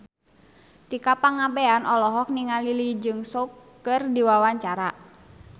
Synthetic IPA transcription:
t̪ikapaŋabɛanʔɔlɔɦɔk̚niŋalilid͡ʒɨŋsokː | ɨrdiwawaɲt͡ʃaɾa

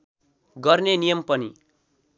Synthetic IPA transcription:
ɡʌrnenijʌmpʌni

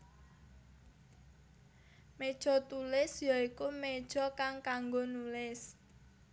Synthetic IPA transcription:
med̥ʒ̥ɔ̤t̪ulɪsjɔikumed̥ʒ̥ɔ̤kaŋkaŋɡonulɪs

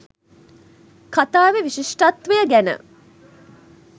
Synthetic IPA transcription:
kat̪aːʋeʋiʃiʂʈat̪ʋəjəɡænə̰

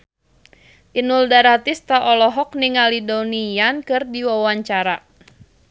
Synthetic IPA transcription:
ʔinuldaɾat̪ist̪aʔɔlɔɦɔk̚niŋalidonijankɨrdiwawaɲt͡ʃaɾa

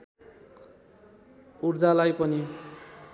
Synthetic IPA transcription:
urd͡zalajpʌni

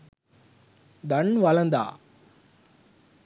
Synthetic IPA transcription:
d̪ɐnʋɐlɐnd̪a̰ː

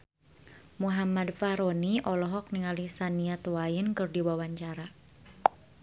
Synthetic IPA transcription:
muɦamadfaɾoniʔɔlɔɦɔk̚niŋalisaniat̪wainkɨrdiwawaɲt͡ʃaɾa

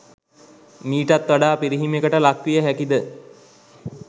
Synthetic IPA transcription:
miːʈat̪ʋaɖaːpiɾiɦimekəʈəlakʋijəɦækid̪ə

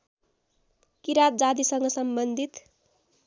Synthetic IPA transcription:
kiɾat̪̚d͡zad̪isʌŋɡʌsʌmbʌnd̪ʱit̪

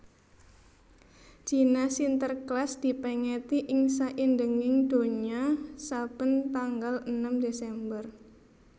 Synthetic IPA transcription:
d͡ʒ̥i̤nasint̪ərklasd̪̥i̤pɛŋɛt̪iʔɪŋsaʔindəŋɪŋd̪̥o̤ɲiasab̥ənt̪aŋɡalənamd̪esɛmbər

